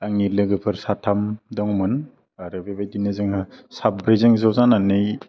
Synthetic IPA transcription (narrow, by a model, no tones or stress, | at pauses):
aŋnilɯɡɯpʰɯɾsatʰamdɔŋmɯn | aɾɯbebejdinɯzɯŋɯsabɾezɯŋzawzananɯj